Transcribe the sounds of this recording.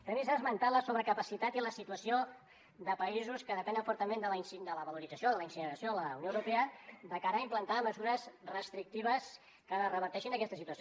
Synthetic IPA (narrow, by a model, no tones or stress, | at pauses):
t̪ɾəmizazmənt̪at̪ləsoβəkəpəsit̪at̪iləsit̪uəsio | ðəpəizuskəðəpɛnd̪ə̃ɱfɔɾt̪əmend̪ələinsid̪ələβəluɾidd͡zəsioðələinsinəɾəsioləunjoəwɾupeəd̪əkaɾəːimplənt̪aməzuɾəzrəst̪ɾik̚t̪iβ̞əs | kərəβəɾt̪ɛʃinəkɛst̪əsit̪uəs